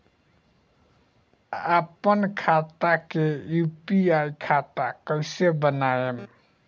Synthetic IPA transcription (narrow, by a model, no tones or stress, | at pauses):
apənkʰat̪akejupiajkʰat̪akəɪsebənajem